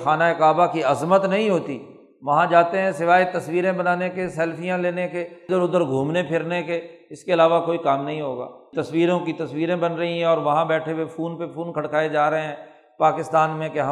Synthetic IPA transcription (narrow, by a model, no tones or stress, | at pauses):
xaːnaekaːbakiɐzmət̪nɐɦĩɦoːt̪iː | ʋɐɦãd͡ʒaːt̪eɦɛ̃sɪʋaːet̪ɐsʋiːɾẽbɐnaːnekesɛːlpʰijãleːneked̪əɾʊd̪əɾɡʱũːmnepʰɪɾneke | ɪskeɪlaːʋakoːikaːmnɐɦĩɦoːɡa̰ːt̪ɐswiːɾõkit̪ɐsʋiːɾẽbɐnɾɐɦiɦɛ̃ɔːɾʋɐɦãbɛːʈʰewepʰuːnpepʰuːnkʰɐɽkaːed͡ʒaːɾɐɦẽɦɛ̃ː | paːkɪst̪aːnmẽkeɦɐ